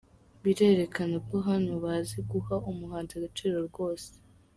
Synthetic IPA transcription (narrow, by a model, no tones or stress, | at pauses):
βiɾe̞ɾe̞kanako̞ɦanoβazeɡuhaʔumuɦaːnziaɡat͡ʃiːɾoɾɡo̞ːse̥